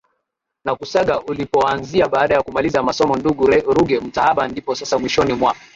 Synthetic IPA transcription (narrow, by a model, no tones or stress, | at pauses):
nakusaɠaʔulipɔanziaɓaːɗajakumalizamasɔmɔnduɡuɾuɡɛm̩tahaɓandipɔsasamwiʃɔnimwaka